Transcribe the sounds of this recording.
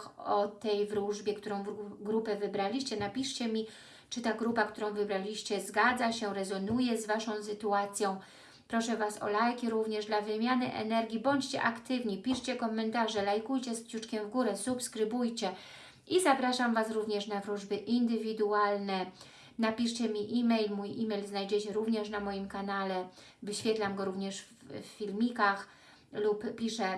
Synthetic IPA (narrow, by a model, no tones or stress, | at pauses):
ɔt̪ɛjvɾuʐbʲjɛkt̪uɾɔ̃w̃vɡɾupɛvɘbɾalʲiɕt͡ɕɛnapʲiʂt͡ɕɛmʲi | t͡ʂɘt̪aɡɾupakt̪uɾɔ̃w̃vɘbɾalʲiɕt͡ɕɛzɡad̪zaɕɛɾɛzɔnujɛzvaʂɔ̃w̃sɘt̪uat̪sʲjɔ̃w̃ | pɾɔʂɛvasɔ̰lajkʲiɾuvɲɛʐd̪lavɘmʲjanɘ̰ʔɛ̰nɛɾɡʲibɔɲt͡ɕt͡ɕɛ̰ʔakt̪ɘvɲipʲiʂt͡ɕɛkɔmɛnt̪aʐɛlajkujt͡ɕɛspt͡ɕut͡ʂkʲɛmvɡuɾɛsupskɾɘbujt͡ɕɛ | ʔizapɾaʂamvasɾuvɲɛʂnavɾuʐbɘʔind̪ɘvʲid̪ualnɛ | napʲiʂt͡ɕɛmʲiʔimɛjlmujimɛjlznajd͡ʑɛt͡ɕɛɾuvɲɛʂnamɔjimkanalɛ | vɘɕfʲjɛt̪lamɡɔɾuvɲɛʂffːʲilmʲikax | lupːʲiʂɛ